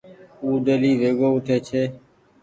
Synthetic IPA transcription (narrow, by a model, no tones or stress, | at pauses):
uːɖ̪eliːɾeːɡoːʊʈʰeːt͡ʃʰeː